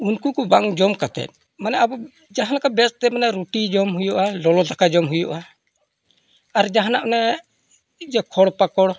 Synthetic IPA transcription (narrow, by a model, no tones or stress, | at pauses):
unkukɔbaŋd͡ʒɔmkat̪ɛ̰t̪̚ | manɛabɔ | d͡ʒaɦalakabɛst̪ɛmanaɾuʈid͡ʒɔmɦujɔʔalɔlɔd̪akad͡ʒɔmɦujɔʔa | aɾd͡ʒaɦanaʔnɛ | d͡ʒɛkʰɔɽpakɔɽ